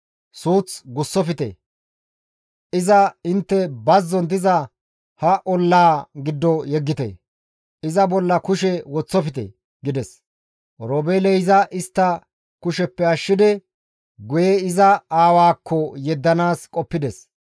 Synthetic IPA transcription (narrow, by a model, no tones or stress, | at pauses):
suːt͡sɡʊsːɔfɪt̪ɛ̰ | ɪzɐɪnt̪ːɛbɐzːɔnd̪ɪzɐ | hɐʔɔlːaːɡɪd̪ːɔjɛɡːɪt̪ɛ̰ | ɪzɐbɔlːɐkʊʃɛwɔt͡sːɔfɪt̪ɛ̰ | ɡɪd̪ɛs | ɾoːbeːlɛjzɐʔɪst̪ːɐ | kʊʃɛpːɛɐʃːɪd̪ɪ | ɡʊjɛɪzɐaːwaːkʰːɔjɛd̪ːɐnaːskʼɔpːɪd̪ɛs